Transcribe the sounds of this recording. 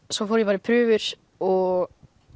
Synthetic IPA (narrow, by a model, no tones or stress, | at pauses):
sɔfoːɾjɛpaːɾɪpʰɾʏːvʏɾ̥ | ɔɣ